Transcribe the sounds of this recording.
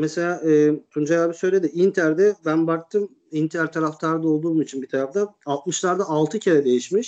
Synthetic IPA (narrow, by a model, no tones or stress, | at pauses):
mese̞lʲaːʔɯːt̪ʰund͡ʒajabisøjlʲe̞d̪iint̪ʰæɾd̪ɛbænbak̚t̪ʰɯm | int̪ʰæɾt̪ʰaɾaft̪ʰaɾd̪ao̞lˠd̪uːmit͡ʃʰinbit̪ʰaɾaft̪ʰanalˠt̪̚mɯʃlˠaɾd̪aalˠt̪ʰɯcʰeɾɛd̪e̞jiʃmiʃ